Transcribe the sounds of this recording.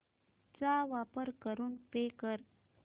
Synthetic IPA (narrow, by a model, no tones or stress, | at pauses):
t͡saʋapəɾkəɾuːnpekəɾ